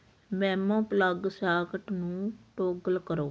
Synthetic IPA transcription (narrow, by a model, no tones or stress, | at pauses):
mɛ̃ːmõːpləɡsaːkəʈnũːʈoːɡəlkəɾoː